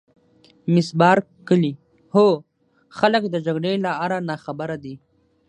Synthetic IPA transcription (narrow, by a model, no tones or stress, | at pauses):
mɪsbɑːɾ | kəli | ho | xaləkd̪əd͡ʒaɡɽelaaɾanɑːxabaɾad̪i